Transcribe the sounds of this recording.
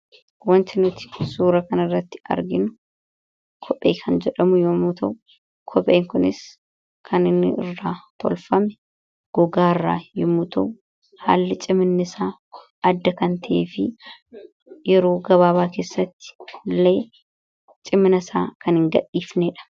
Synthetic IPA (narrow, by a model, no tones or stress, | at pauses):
wɐnt̪ɪnʊt̪ɪ̥suːɾɐkɐnɐrːɐt̪ːɪ̥ɐ̰ɾɡɪnʊ | kʰɔpʼːḛːkʰɐnd͡ʒɛᶑɐmʊjoːmuːt̪ʰɐwʊ | kʰɔpʼːeːŋkʊnɪs | kʰɐnɪnːɪ̰ɪ̰rːaːt̪ʰɔ̰lfɐmɛ̥ | ɡ̥ɔɡaːɪrːa̰ːjɔmuːt̪ɐʔʊ | ha̰ːlːɪt͡ʃʼɪmɪnːɪsaː | ɐd̪ːɐkɐnt̪ʰɐʔḛːfɪ | jɛɾo̞ːɡɐβaːβaːke̞ːsːɐt̪ːɪ̥lːeː | t͡ʃʼɪmɪnɐsa̰ːkɐnhɪŋɡɐ̰ɗːiːfneːᶑɐ̥